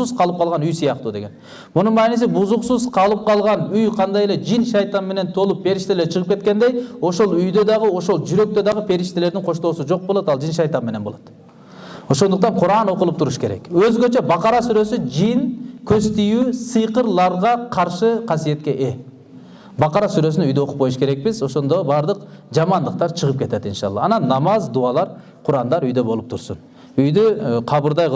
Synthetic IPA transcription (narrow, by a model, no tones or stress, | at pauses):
uz̥qʰɑlˠɯp̚qʰɑlˠʁɑnyjsijɑqt̪ud̪e̞ɡʲe̞n | mununmɑːnis̬ibuzuqsuzqʰɑlˠɯp̚qʰɑlˠʁɑnyjqʰɑnd̪ɑjeled͡ʒinʃɑjt̪ɑmme̞ne̞nt̪ʰolˠupʰːe̞ɾiʃt̪ele̞ɾt͡ʃʰɯʁɯpke̞t̪̚ke̞nd̪e̞jo̞ʃo̞lˠyjd̪ø̞d̪ɑʁɯo̞ʃo̞lˠd͡ʒyɾø̞k̚t̪ø̞d̪ɑʁɯpʰe̞ɾiʃt̪ele̞ɾd̪iŋqʰo̞ʃt̪o̞ːsud͡ʒo̞q̚bolˠot̪ɑlˠd͡ʒinʃɑjt̪ɑmme̞ne̞nbolˠot̪ | o̞ʃo̞nd̪uqt̪ɑɴqʰuɾɑːno̞qulˠupt̪ʰuɾuʃke̞ɾḛkøzɡʲø̞t͡ʃe̞bɑqɑɾɑsyɾø̞syd͡ʒinkʲʰøst̪ijysɨjqəɾlˠɑɾʁɑqʰɑɾʃɨqʰɑsije̞t̪̚kʲe̞ʔe | bɑqɑɾɑsyɾø̞synyjd̪øoqup̚qo̞juʃkeek̚bizo̞ʃo̞nd̪obɑɾd̪əqd͡ʒɑmɑnd̪əq̚t̪ɑɾt͡ʃʰəʁəp̚kʰʲe̞t̪et̪inʃɑ̰lˠːɑ̰ɑnɑnːɑmɑzd̪uɑlˠɑɾ | qʰʊɾɑnd̪ɑɾyjd̪ø̞bo̞lˠup̚t̪ʰuɾsun | yjd̪yqʰɑbɯɾd̪ɑjq